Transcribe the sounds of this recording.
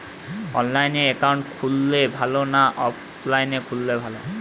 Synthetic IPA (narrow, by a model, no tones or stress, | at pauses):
ɔnlajneɛkawɳʈkʰulːebʱalonaʔɔp | lajnekʰulːebʱalo